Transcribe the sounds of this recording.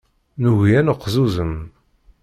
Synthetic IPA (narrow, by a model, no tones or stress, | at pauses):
nuʝjænəqːzuzəm